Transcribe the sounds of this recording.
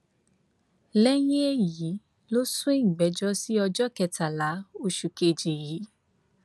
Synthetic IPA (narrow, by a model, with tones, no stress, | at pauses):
lɛ˦j̃ĩ˦e˦ji˨˦ | lo˦sũ˦ẽ˦˨ɡ͡bɛ˨˦d͡ʒɔ˦si˦ɔ˧d͡ʒɔ˦kɛ˧ta˨la˨˦o˧ʃu˨ke˧˨d͡ʒe˨ji˨˦